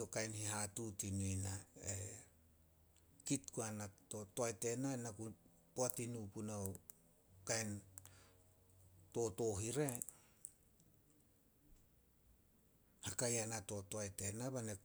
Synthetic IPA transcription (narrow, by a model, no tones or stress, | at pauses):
okajnhihatutinuinae | kitkuanato̞toajte̞nanaku | poatinupuna | kajn | to̞to̞ɦiɾe̞ | hakajanato̞toajte̞nabane